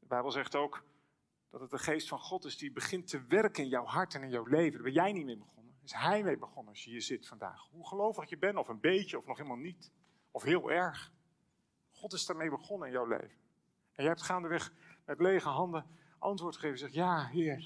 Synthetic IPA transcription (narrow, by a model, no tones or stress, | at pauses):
dəbɛjbəlˠzɛχtowk | d̥ɑtətəχejstfɑnχɔtɪzdibəχɪntəʋɛrkənɪnjɑwɦɑɹtɛnɪnjawlejvəndaɹbɛnjɛjnit̚mejbəχɔnənɪsɦɛjmejbəχɔnənɑsjəɦiːɹzɪtfɑnda̰ːχɦuχəlowfəχɪkjəbɛnɔfənbejcəɔfnɔχelˠmalˠnit | ɔfɦɪːlˠɛɹχ | χɔtɪsdaːɹmejbəχɔnənɪnjawlḛjvən | ɛnjɛɛp̚tχaːndəʋɛχmɛtlejχəɦɑndə | ʔɑntvʋʊːɹtχə̥χeɪvjzɛχtjaːɦɪːɹ